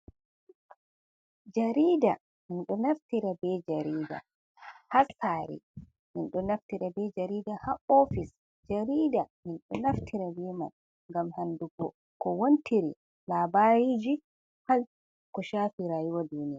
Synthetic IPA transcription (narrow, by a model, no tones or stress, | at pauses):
d͡ʒaɾida | minɗɔnaftiɾabɛd͡ʒaɾiːda̰ | hasaɾḭ | minɗɔnaftiɾabɛd͡ʒaɾiːdahaʔɔfis | d͡ʒaɾiːdaminɗɔnaftʰiɾabɛma̰n | ŋɡamhanduɡɔ | kɔwontiɾi | laːbaɾid͡ʒi | hal | kɔʃaːfiɾaːjuwadunija